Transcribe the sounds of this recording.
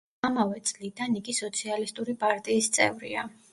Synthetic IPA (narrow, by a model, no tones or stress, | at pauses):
amavɛt̪sʼlid̪aniɡisɔt̪sʰialist̪ʼuɾipʼaɾt̪ʼiːst̪sʼɛ̰vɾḭa̰